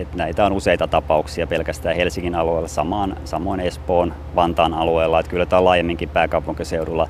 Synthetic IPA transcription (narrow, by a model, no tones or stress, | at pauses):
et̪næit̪æonuseit̪ɑt̪ɑpɑuksiɑpelkæst̪æːhelsiŋːinɑlueːlːɑsɑmɑːnsɑmˑoinespoːn | ʋɑnt̪ɑːnɑlueːlːɑet̪kylːæt̪æːlɑːjemːiŋkimpæːkɑupuŋkiseuɾulːɑ